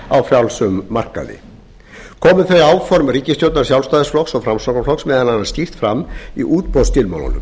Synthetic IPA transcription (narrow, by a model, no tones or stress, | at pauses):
awfjawlsʏmːar̥ka̰ðɪ̰ | kʰɔːmʏθɾeaːwfɔɾmriːcɪst̪jowt̪naɾ̥s̬jawlst̪aːðɪsflɔksɔɣfɾamsɔwkaflɔksmɛðananːascir̥t̪fɾamːḭʔuːt̪pɔst̪ɪlma̰w̪ɔ̰nʏ̰m